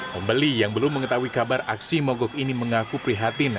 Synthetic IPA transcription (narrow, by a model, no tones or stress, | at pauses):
məmbəlijaŋbəlʊmːəŋət̪auwikabara̰ksimɔɡɔkiniməŋakupɾiɦat̪ɪn